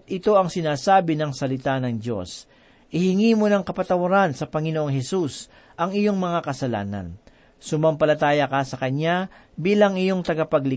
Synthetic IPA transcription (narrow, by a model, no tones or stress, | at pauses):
t̪ʔɪt̪o̞ɐŋsɪnaːsaːbɪnɐŋsɐlɪt̪anɐŋd̪o̞̰s | ʔɪhɪŋimo̞nɐŋkɐpɐt̪ɐwɐɾansɐpɐŋɪnoʔoŋɦɛsus | ʔɐŋɪjo̞ŋmɐŋakɐsɐla̰ːnɐ̰n | sʊmɐmpɐlɐt̪aːjɐkɐsɐkɐɲa | biːlɐŋɪjo̞ŋt̪ɐɡɐpɐɡlɪ